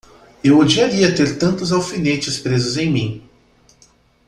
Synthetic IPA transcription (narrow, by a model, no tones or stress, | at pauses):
ewod͡ʒiaɾiɐt̪eɾt̪ɐ̃nt̪ʊzawfinet͡ʃɪspɾezʊzẽj̃mĩ